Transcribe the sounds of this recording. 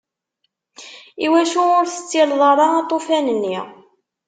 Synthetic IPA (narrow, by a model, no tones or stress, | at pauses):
iwæʃuʊɾθə̥t͡sːilðˤɑɾˤɑɑt̪ˤːofænənːi